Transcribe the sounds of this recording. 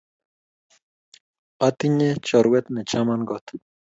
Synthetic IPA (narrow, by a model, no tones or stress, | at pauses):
at̪iɲet͡ʃɔɾwet̪net͡ʃamanɡɔt̪